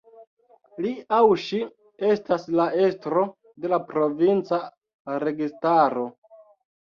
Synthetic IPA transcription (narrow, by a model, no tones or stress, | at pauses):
liawʃi | e̞staslae̞stɾo̞ | de̞lapɾo̞vint͡sa | ɾe̞ɡistaɾo̞